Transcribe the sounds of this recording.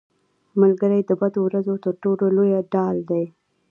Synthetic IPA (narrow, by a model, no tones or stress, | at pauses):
malɡəɾajd̪əbad̪owɾazot̪əɾʈololojaɖɑld̪aj